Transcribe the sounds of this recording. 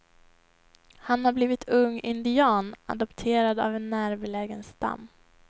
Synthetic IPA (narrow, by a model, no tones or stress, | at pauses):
hanhaɾbliːvɪt̪ʰɵŋːɪnd̪ɪɑːna̰d̪ɔpt̪ʰeːɾad̪a̰vɛnːæːɾvɛlɛːɡənst̪a̰mː